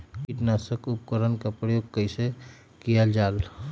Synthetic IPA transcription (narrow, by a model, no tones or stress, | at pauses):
kiʈnasəkupkəɾənkapɾəjoɡ̚kəɪse | kijald͡ʒal